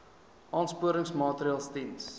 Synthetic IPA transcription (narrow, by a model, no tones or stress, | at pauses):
ʔɑːnspuəɾəŋsmɑːtɾiɑːlˠstins